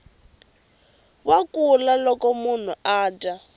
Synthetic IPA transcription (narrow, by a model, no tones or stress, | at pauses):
wakulalɔkɔmun̤uaːtʼa